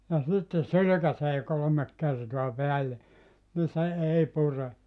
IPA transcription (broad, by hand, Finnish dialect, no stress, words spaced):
jɑ sitːe sylykæseː kolomek kertoɑ peælːe ni se ei pure